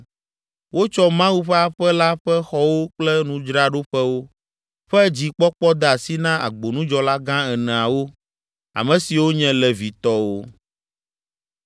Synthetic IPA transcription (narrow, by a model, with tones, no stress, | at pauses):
wo˦t͡ʃɔ˦mã˦wu˦ɸɛ˦a˦ɸɛ˦la˦ɸɛ˦xɔ˦wo˦k͡plɛ˦nũ˦˨d͡ʒɾa˦ɖo˦ɸɛ˦wo˦ | ɸɛ˦d͡ʑi˨k͡pɔ˦k͡pɔ˦d̪ɛ˦˨a˨si˦nã˦ʔa̰˨ɡ͡bo˨nũ˦d͡ʒɔ˦la˦ɡã˦ɛ˨nɛ̃˨a˨wo˦ | a̰˨mɛ̃˨si˨wo˦ɲɛ̃˦lɛ˨vi˨t̪ɔ˦wo˦